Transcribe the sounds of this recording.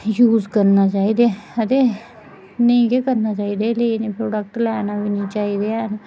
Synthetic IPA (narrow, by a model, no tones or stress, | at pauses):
juːzkəɾnaːt͡ʃaːiːd̪eːət̪eː | nəĩːkeːkəɾnaːt͡ʃaːiːd̪eːləineːpʰɾoːɖək̚ʈlɛːnaːʋinĩːt͡ʃaːiːd̪eːn